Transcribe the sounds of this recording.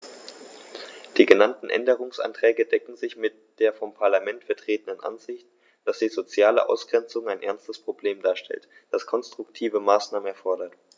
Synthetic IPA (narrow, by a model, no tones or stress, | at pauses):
d̥iːɡənantn̩ʔɛ̰ndəʁ̞ʊŋsʔa̰ntʁ̥ɛːɡədɛkŋ̩zɪçmɪtd̥eːɐfɔmpʰaɐlamɛntfɛɐtʁ̥eːtən̩dənʔa̰nzɪçt | d̥asd̥iːzot͡sjaːlə̰ʔa̰ʊsɡ̥ʁɛnt͡sʊŋaɪnʔɛɐnstəspʁ̥obleːmdaːɐʃtʰɛ̰lt | d̥askʰɔnstʁ̥ʊk̚tʰiːvəmaːsnaːmənɛɐfɔɐdɐt